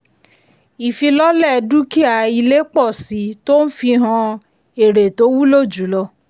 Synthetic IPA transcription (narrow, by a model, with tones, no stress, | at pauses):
i˨fi˧lɔ˦lɛ˦˨˧du˦ki˦a˨i˧le˦k͡pɔ˦˨si˨˦to˦n̩˦fi˧ɦã˧ | e˨ɾe˨to˨˦wu˦lo˦˨d͡ʒu˨˦lɔ˧